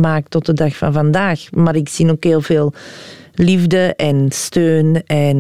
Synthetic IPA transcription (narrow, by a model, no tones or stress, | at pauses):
maːk̚tɔt̚dədɑxfɑnvɑndaːxmaːɾɪksinoːkɦeːlˠveːlˠlivdəʔɛnstøːnɛn